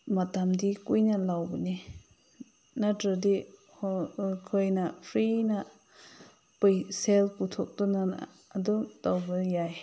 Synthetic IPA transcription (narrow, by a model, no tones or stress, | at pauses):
mat̪amdikujnalawbni | nadədi | hkʰɔjnapʰɾina | pɯjsɛlput̪ʰɔk̚tunana̰ː | duŋtawbɯljaj